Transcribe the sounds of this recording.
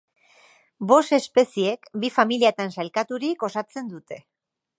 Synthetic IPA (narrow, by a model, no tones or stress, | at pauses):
bo̞st̪e̞spe̞sie̞kbifamiliat̪ansalkat̪uɾiko̞sat͡se̞nd̪ut̪e̞